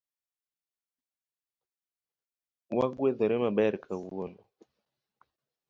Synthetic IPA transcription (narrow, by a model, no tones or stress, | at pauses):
waɡweðɔɾɛmaɓɛɾkʰawuɔnɔ